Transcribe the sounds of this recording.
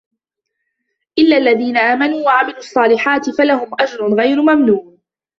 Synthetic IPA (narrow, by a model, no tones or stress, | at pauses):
ʔɪlːaːʔlːaðiːnaʔaːmanuːwaʕamɪluːʔɑsˤːɑːlɪħaːt̪ɪfalaɦʊmʔad͡ʒɾʊnɣajɾʊmamnuː